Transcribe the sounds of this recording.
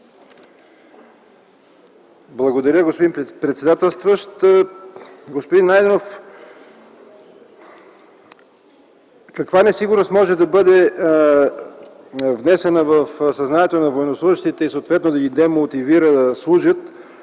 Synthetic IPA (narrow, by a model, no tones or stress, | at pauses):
blˠɐɡod̪ɐɾʲəɡospod̪impɾɛt̪sɛd̪at̪ɛlˠst̪vəʃt̪ | ɡospod̪inːajd̪ɛnof | kɐkvanɛsiɡʊɾnost̪mɔʒɛd̪ɐbɤd̪ɛ | vnɛsɛnəvəfsɐznanʲɛt̪onɐvoɛnoslˠuʒiʃt̪it̪ɛisəot̪vɛt̪nod̪ɐɡid̪ɛmot̪iviɾəd̪ɐslˠuʒət̪